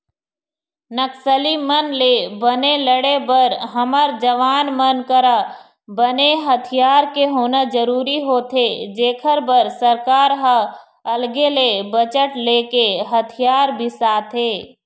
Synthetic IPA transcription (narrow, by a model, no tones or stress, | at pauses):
nəksəlimənlebəneləɽebəɾɦəməɾd͡ʒəʋaːnmənkəɾa | bəneɦət̪ʰijaːɾkeɦoːnad͡ʒəɾuːɾiɦoːt̪ʰed͡ʒeːkʰəɾbəɾsəɾkaːɾɦə | əlɡelebət͡ʃəʈleːkeɦət̪ʰɪjaːɾbʱisaːt̪ʰɦeː